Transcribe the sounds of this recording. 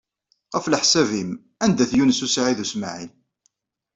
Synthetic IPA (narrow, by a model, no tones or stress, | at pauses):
ʁəfləħsævim | ænd̪æθjunsusʕiðusmaʕin